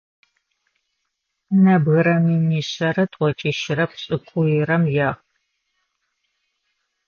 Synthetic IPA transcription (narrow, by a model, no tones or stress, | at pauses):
nɐbɣɨɾɐminiːɕɐɾɐtʷʼɔt͡ʃʼiʃɪɾɐpɕʼɪkʷʼʊjɪɾɐmjaːʁ